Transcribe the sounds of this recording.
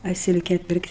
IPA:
ɐ ˈsʲɪlʲkʲɛ ˈpʲɪrktʲ

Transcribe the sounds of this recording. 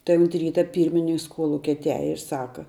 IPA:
tɐɪ ʊnt ˈrʲiːtɐ ˈpʲiːrʲmʲɪnʲɪŋks ˈkoːlˠʊkʲɛ ɐtʲˈæːjɛ ɪr ˈsɑːkɐ

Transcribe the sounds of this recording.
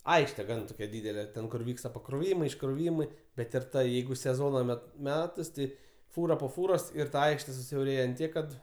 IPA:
ˈɐɪkʃʲtʲɛ ˈɡɐn toːˈkʲɛ ˈdʲiːdʲɛlʲɛ ˈtʲɛn kʊr ˈʋʲiːkstɐ pɐkroːˈʋʲiːmɐɪ ɪʃkroːˈʋʲiːmɐɪ bʲɛt ɪr ˈtɐ ˈjɛɪɡʊ sʲɛˈzoːnɐ ˈmʲɛt ˈmʲæːtɐs ˈtʲɪ ˈfuːrɐ poː ˈfuːroːs ɪr tɐ ˈɐɪkʃʲtʲɛ sʊsʲɛʊˈrʲeːjɛ ɐnt ˈtʲiɛk kɐt

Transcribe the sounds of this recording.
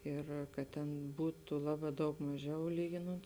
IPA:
ˈɪr kɐt ˈtʲɛn ˈbuːtʊ ˈlˠɑːˌbɑː dɐʊk mɐˈʒʲɛʊ ˈlʲiːɡʲɪnoːnt

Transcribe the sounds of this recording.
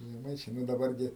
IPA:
ʒʲɛˈmɐɪt͡ʃʲɛɪ ˈnʊ dɐˈbɐr ɡʲɪ

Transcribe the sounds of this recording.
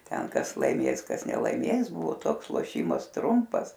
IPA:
ˈtʲɛn ˈkɐs lˠɐɪˈmʲeːs ˈkɐs nʲɛlˠɐɪˈmʲeːs ˈbʊʋoː ˈtoːks lˠoːˈʃʲiːmɐs ˈtrʊmpɐs

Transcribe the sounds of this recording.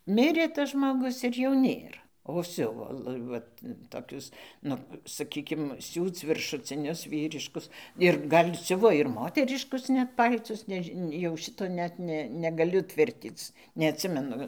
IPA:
ˈmʲɪrʲeː tɐs ʒmoːˈɡʊs ɪr joː ˈnʲeːr oː ˈsʲʊʋoː ˈʋɐt toːˈkʲʊs ˈnʊ sɐˈkʲiːkʲɪm ˈsʲuːt͡s ʋʲɪrʃʊt͡sʲɪˈnʲʊs ˈʋʲiːrʲɪʃkʊs ɪr ˈɡɐlʲ ˈsʲʊʋoː ɪr ˈmoːtʲɛrʲɪʃkʊs ˈnʲɛt ˈpɐlʲtʊs nʲɛˈʒʲɪ jɛʊ ˈʃʲɪtoː ˈnʲɛt nʲɛ nʲɛɡɐˈlʲʊ ˈtʲʋʲɪrʲtʲiːt͡s nʲɛɐtʲˈsʲɪmʲɛnʊ

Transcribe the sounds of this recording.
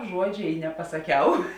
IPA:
ˈʒuɔd͡ʒʲeː ɪ nʲɛpɐsɐˈkʲɛʊ

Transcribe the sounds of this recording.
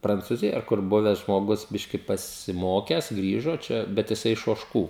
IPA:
prɐnt͡suːˈzʲɪjoːj ɐr ˈkʊr ˈbʊʋʲɛs ʒmoːˈɡʊs ˈbʲɪʃʲkʲɪ pɐsʲɪˈmoːkʲɛs ˈɡrʲiːʒoː ˈt͡ʃʲɛ bʲɛt jɪˈsɐɪ ɪʃ oːʃˈkuː

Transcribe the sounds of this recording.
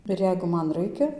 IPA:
ɪr ˈjɛɪɡʊ ˈmɐn ˈrɐɪkʲɛ

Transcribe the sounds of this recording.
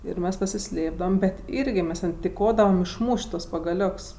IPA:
ɪr ˈmʲɛs pɐsʲɪˈsʲlʲeːbdɐʋɐm bʲɛt ˈɪrʲɡʲɪ ˈmʲɛs ˈtʲɛn tʲɪˈkoːdɐʋɐm ɪʃˈmuːʃʲtʲ tuɔs pɐɡɐˈlʲoːks

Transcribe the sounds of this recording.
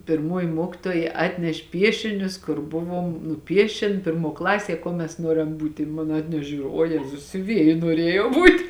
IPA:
pʲɪrˈmoːjɪ ˈmuɔkʲɪtoːjɛ ˈɑːtʲnʲɛʃʲ ˈpʲiɛʃʲɪnʲʊs kʊr ˈbʊʋoːm nʊˈpʲiɛʃʲeːn ˈpʲɪrˌmuɔ ˈklˠɑːsʲiɛ ˈkuɔ mʲɛs ˈnuɔrʲɛm ˈbuːtʲɪ ɪ moːn ˈɑːtʲnʲɛʃʲeː ˈʒʲuːrʲʊ oː ˈjæːzʊs sʲʊˈʋʲiɛjɪ nuɔˈrʲiɛjɛʊ ˈbuːtʲ

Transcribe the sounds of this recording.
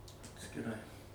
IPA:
ɐtʲsʲkʲɪˈrɐɪ

